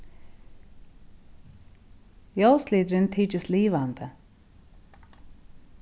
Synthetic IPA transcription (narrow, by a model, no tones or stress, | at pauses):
jɑʊsliːd̪ɾɪnt̪ʰiːt͡ʃəsliːʋɑnd̪ə